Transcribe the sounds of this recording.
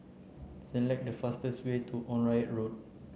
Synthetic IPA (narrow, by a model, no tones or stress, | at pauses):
sɛlɛk̚dəfastəstwetʰuʔɔ̃nɹajət̚ɹot̚